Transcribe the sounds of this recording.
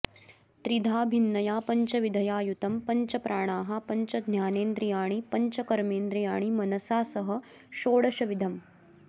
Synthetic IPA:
t̪ɾid̪ʱaːbʱinːɐjaːpɐɲt͡ʃɐʋid̪ʱɐjaːjut̪ɐmpɐɲt͡ʃɐpɾʔaːɽ̃aːɦɐpɐɲt͡ʃɐd̪ʱnjaːneːnd̪ɾijaːɽ̃ipɐɲt͡ʃɐkɐɾmeːnd̪ɾijaːɳ̃imɐnɐsaːsɐɦɐ | ʃoːɽɐʃɐʋid̪ʱɐm

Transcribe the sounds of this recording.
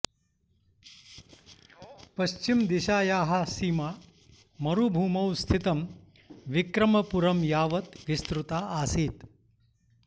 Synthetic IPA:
pɐɕt͡ʃimd̪iʃaːjaːɦɐsiːma | mɐɾubʱuːmɐwst̪ʰit̪ɐm | ʋikɾɐmɐpuɾɐmjaːʋɐt̪ʋist̪ɾut̪aʔasiːt̪

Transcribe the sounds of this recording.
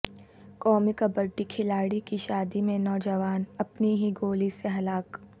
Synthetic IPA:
kɔːmikɐbɐɾʈikʰɪlaːɽikiʃaːd̪imẽnɔːd͡ʒəʋaːnɐpniɦiɡoːliseɦɐlaːk

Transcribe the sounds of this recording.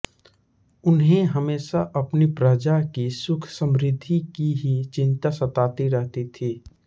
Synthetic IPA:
ʊnɦẽɦɐmeːʃaʔɐpnipɾəd͡ʒakisʊkʰsə̃mɾɪd̪ʱːikiɦit͡ʃɪ̃nt̪asɐt̪aːt̪iɾɛɦt̪it̪ʰiː

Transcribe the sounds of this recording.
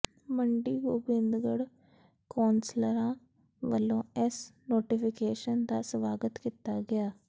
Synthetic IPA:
məɳɖiːɡobɪnd̪ɡəɽ | koːnsləɾãː | ɡəlːõːɛsnoːʈɪpʰɪkeːʃənd̪aːsʋaːɡət̪kit̪aːɡɪjaː

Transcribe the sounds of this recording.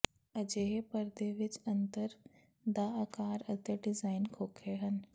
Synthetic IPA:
əd͡ʒeːɦepəɾd̪eʋɪt͡ʃɐ̃nt̪əɾ | d̪aaːkaːɾət̪əɖɪzaːɪnkʰoːkʰeɦɐn

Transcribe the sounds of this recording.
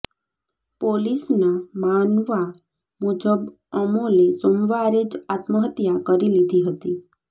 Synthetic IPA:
polisnamanʋa | mud͡ʒəb | ɔmõlesomʋaɾed͡ʒat̪məɦət̪jakəɾilid̪ʱiɦət̪i

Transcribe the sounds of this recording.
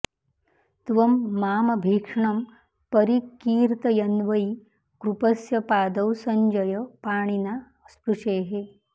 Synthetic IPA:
t̪ʋɐmːaːmɐbʱiːkʂɳɐm | pɐɾikːiːɾt̪ɐjɐnʋɐj | kɾupɐsjɐpaːd̪ɐwsɐɲd͡ʒɐjɐpaːɳina | spuʂeːɦe

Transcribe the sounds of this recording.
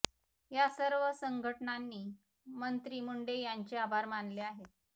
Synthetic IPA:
jasəɾʋəsəŋɡʱəʈɳanːiː | mənt̪ɾiːmuɳɖejaɲt͡ɕeabʱaɾmanleaɦet̪

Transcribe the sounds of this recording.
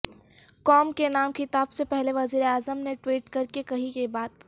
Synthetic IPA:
kɔːmkenaːmkɪt̪aːbsepɛɦleʋɐziːɾeaːzəmneʈwiːʈkɐɾkekɐɦikebaːt̪

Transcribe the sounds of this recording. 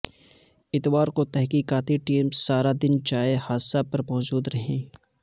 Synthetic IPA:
ɪt̪waːɾkot̪ɛɦkiːkaːt̪iʈiːmsaːɾad̪ɪnd͡ʒaːehaːd̪sapɐɾmɔːd͡ʒuːd̪ɾɐɦẽː

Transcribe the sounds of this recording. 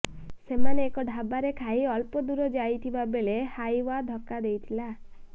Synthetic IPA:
semaneːkɔɖʱabaɾekʰaiɔlpɔd̪uɾɔd͡ʒajt̪ʰibabelehajwad̪ʱɔkad̪ejt̪ʰila

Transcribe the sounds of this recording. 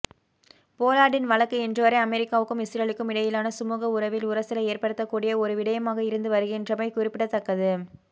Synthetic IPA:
poːlaːɽɪnʋɐɭɐkːɯɛndrɯʋɐɾɐɪɐmɛɾɪkːaːʋɯkːɯmɪsɪɾɐɭɪkːɯmɪɽɐjɪlaːnɐsʊmuːɣɐʊɾɐʋɪlʊɾɐsɪlɐeːrpɐɽɯt̪ːɐkːuːɽɪjɐɔɾɯʋɪɽɐjɐmaːɣɐɪɾɯnd̪ɯʋɐɾɯɣɛndrɐmɐɪkʊrɪpːɪɽɐt̪ːɐkːɐðɯ

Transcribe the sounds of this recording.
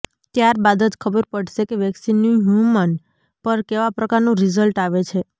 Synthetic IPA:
t̪jaɾbad̪əd͡ʒkʰəbəɾpəɽʃekeʋɛksinːũɦjumən | pəɾkeʋapɾəkaɾnũɾizəlʈaʋet͡ʃʰe

